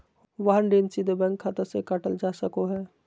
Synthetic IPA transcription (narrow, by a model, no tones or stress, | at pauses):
ʋaɦənɖeːnsid̪əbɛ̃ːŋkʰːat̪əɾsekaʈəld͡ʒaːsəkoɦɛː